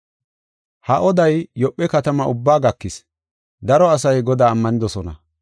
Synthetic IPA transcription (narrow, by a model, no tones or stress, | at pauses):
hɐʔɔd̪ɐjːɔpʼːɛkɐt̪ɐmɐʔʊbːaːɡɐkːɪs | d̪ɐɾɔɐsɐjɡɔd̪aːmːɐnɪd̪ɔsɔnɐ̰